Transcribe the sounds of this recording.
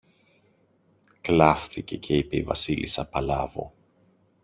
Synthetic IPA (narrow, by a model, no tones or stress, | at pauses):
klɐfθice̞cʰe̞ipeivɐsilisɐpɐlɐvo̞